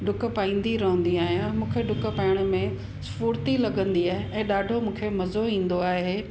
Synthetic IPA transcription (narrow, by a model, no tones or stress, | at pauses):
ɖʊkpaːĩːn̆d̪iɾɐɦə̃n̆d̪iaːɦɪjãmũːkʰeɖʊkə̆paːɪɽ̃ʊmẽ | sfuːɾt̪ilɐɠə̃nd̪iaːɦeʔɛ̃ːɗaːɖʱomũːkʰemɐzoĩːn̆d̪oaːɦeː